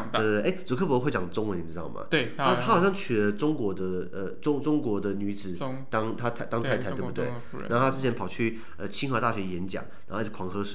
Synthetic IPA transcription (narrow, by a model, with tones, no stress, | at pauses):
ə˧e˥˩ɪt͡su˨˩kʰɤ˥˩p̬ɔ˧˥˧xe˥˩ɪt͡ɕjɑ˨˩ŋʈ͡ʂʊ˥ŋwə˧˦ni˨˩ɻ̩˥t̪ɑ˥˩ʊmɐ̰˩˥˩a˥t̪ʰa˥xɑ˨˩ɕjɑ˥˩ŋt͡ɕʰy˨˩lə˦ʈ͡ʂʊ˥ŋkwɔ˧˥d̪ə˧ | ə˨ʈ͡ʂʊ˥ŋʈ͡ʂʊ˥ŋkwɔ˧˥d̪ə˨ny˧˥t͡sɹ̩˨˩ | t̪ɑ˥ŋt̪ʰa˥t̪ʰa˥˧t̪ɑ˥ŋt̪ʰa˥ɪt̪ʰa˥˩u˧t̪we˥˩n˧˥o˥˧t̪ʰa˥ɻ̩˥t͡ɕʰjɛ˧˥npʰɑ˨˩ʊt͡ɕʰy˥˩ | ə˧t͡ɕʰi˧˥ŋxɤ˧˥t̪a˥˩ɕɥɛ˧˥jɛ˧˥nt͡ɕjɑ̰˨˩˦ŋa˧˥˧kʰwɑ˧˥ŋxɤ˥ʂwe˨˩˦